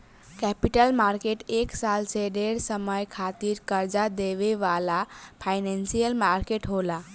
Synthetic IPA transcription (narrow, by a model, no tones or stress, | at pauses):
kɛpiʈəlmaɾkeʈeksalseɖeɾsəməjkʰat̪iɾkəɾd͡ʒad̪eʋeʋalapʰajnɛnsijəlmaɾkeʈɦola